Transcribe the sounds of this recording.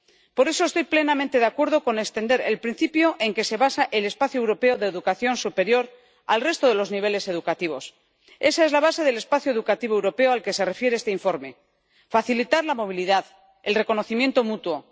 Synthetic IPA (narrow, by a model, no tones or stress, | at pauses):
po̞ɾe̞so̞e̞st̪o̞jple̞namẽnt̪e̞ðakwe̞ɾð̞o̞ko̞nekst̪e̞nd̪e̞ɾelpɾin̟θipjo̞ʔe̞ŋke̞se̞βasaʔe̞le̞spaθjoewɾo̞pe̞oðe̞ːðukaθjo̞nsupe̞ɾjo̞ɾ | a̰lre̞st̪oð̞e̞lo̞zniβ̞e̞le̞se̞ð̞ukat̪iβ̞o̞s | e̞sae̞zlaβase̞ð̞ele̞spaθjoe̞ðukat̪iβ̞o̞ewɾo̞peoalke̞se̞re̞fjeɾeest̪eiɱfo̞ɾme̞ | faθilit̪aɾlamo̞β̞iliðað | e̞lre̞ko̞noθimje̞nt̪o̞mut̪wo̞